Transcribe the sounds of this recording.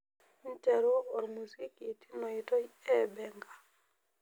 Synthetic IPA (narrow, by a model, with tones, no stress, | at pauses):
mi˦teɾo˦ɔ˨ɾmusi˦ki˨ti̥˦no˨itɔ˦jebɛŋɡa˨